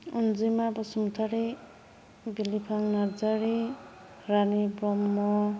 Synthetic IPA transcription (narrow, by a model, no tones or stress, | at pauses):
und͡zimabɔsumut̪ʰaɾi | bilipʰaŋnaɾd͡zaɾi | ɾanibɾɔmːɔ